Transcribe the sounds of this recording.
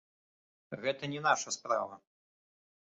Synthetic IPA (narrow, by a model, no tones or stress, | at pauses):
ɣɛt̪ɐnʲɛnaʂɐspɾa̰vɐ